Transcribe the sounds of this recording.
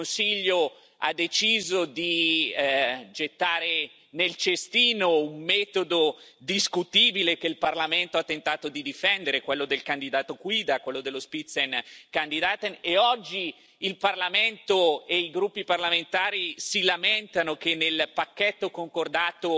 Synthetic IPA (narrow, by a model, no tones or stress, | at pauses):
onsiʎːo | a̰d̪ːet͡ʃiːzod̪i | d͡ʒet̪ːaːɾe | nelt͡ʃest̪iːnoummɛːt̪od̪o | d̪iskut̪iːbilekeilparlament̪oat̪ːent̪aːt̪od̪id̪ifɛnd̪eɾekwelːod̪elkand̪id̪aːt̪okwiːd̪akwelːod̪elːospit̪senkand̪id̪at̪eneɔd͡ʒːiː | lparlament̪oeiɡɾupːiparlament̪aːɾisilamɛnt̪anok̟enːelpakːet̪ːokoŋkord̪aːt̪o